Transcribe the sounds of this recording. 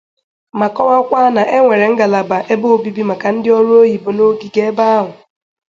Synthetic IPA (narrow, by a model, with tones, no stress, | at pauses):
ma˨kɔ˦wa˦kʷa˦na˨ʔe˦ŋʷe˨ɾe˨ŋ̩˦ɡa˨la˨ba˨ʔe˦bo˦o˦˨bi˦bi˦ma˨ka˨n̩˦dɪ˦ɔ˦ɾu˦o˦ɦi˨bo˨no˦ɡi˨ɡe˦ba˦a˦ɦʊ˨